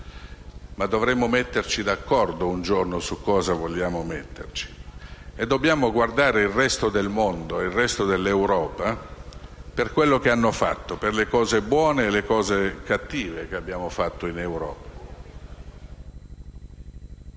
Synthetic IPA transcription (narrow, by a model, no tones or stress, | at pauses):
mad̪ːovɾɛmːomɛt̪ːert͡ʃid̪akːɔrd̪ound͡ʒornosukːɔːzavoljaːmomet̪ːḛrt͡ʃi̥ed̪ːobːjaːmoɡward̪aːɾeilrːɛst̪od̪elmond̪oeilrːɛst̪od̪elːewɾɔːpa | perkwelːok̟eanːofa̰t̪ːoperlekɔːzebwɔːneːlːekɔːzekat̪ːiːvekeabːjaːmofat̪ːoinewɾɔːpa